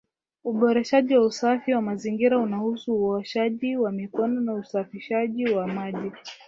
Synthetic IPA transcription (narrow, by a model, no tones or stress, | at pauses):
uɓɔɾɛʃaʄiwausafiwamaziŋɡiɾaunahusuːɔʃaʄiwamikɔnɔnausafiʃaʄiwamaʄi